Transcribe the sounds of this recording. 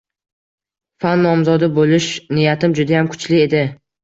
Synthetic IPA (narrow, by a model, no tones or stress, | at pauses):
fanːɒmzɒd̪abolɪʃnɪjat̪ɪmd͡ʒʊd̪ajamkʰʊ̥t͡ʃlɪe̞d̪ɪ